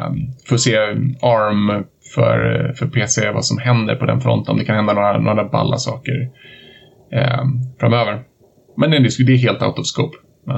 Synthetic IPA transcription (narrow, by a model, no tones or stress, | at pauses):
fœɾɔseːɑɾm | fœ̰ɾfœɾpʰeːseva̰sɔmhɛnd̪ə̰ɾpʰɔd̪ɛ̰nfɾɔ̰nt̪ənɔmd̪ɛkʰanhɛnd̪anoːɾanoːɾaba̰lːa̰sɑːkə̰ɾ | fɾamøːvəɾ | mɛnd̪ɛd̪ɛsd̪ɛːɦeːlt̪a̰ʊt̪ɔvskoːp | mɛ